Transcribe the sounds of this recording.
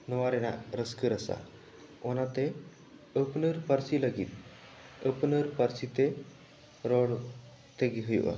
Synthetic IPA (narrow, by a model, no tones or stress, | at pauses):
nɔʋaɾena̰ɾəskəɾəsa̰ | ɔnat̪e | əpnəɾpəɾsiləɡit̪ | əpnəɾpəɾsit̪e | ɾɔɽ | t̪eɡeɦəjṵʔa̰